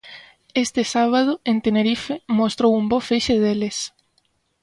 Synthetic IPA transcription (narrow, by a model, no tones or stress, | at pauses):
est̪ɪsaβ̞að̞oent̪eneɾifemost̪ɾowumbofeʃeðeles